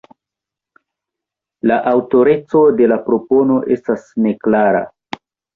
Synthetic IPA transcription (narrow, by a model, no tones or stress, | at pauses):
laʔawto̞ɾe̞t͡so̞de̞lapɾo̞po̞no̞ʔe̞stasne̞klaɾa̰